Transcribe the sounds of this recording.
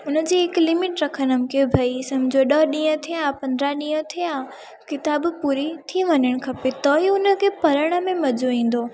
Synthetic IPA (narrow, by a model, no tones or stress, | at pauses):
ʊnə̆d͡ʑiːɦɪklɪmɪʈɾɐkʰənəmɪkebʱɐisɐmd͡ʑʱoɗəɗĩːə̃t̪ʰijapɐ̃nd̪ɾaɗĩːə̃t̪ʰijaː | kɪt̪aːbpuːɾit̪ʰiʋɐɲəɽ̃kʰɐpet̪ɔɦiʊnə̆kʰepɐɾəɽ̃ə̆mẽmɐd͡ʑoĩːn̆d̪oː